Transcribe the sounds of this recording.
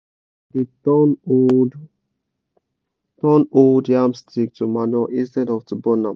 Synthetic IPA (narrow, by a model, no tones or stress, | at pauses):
di | n | tɔ̃noldjamstʰik̚tumanɔʔĩstɛdɔftubɔnã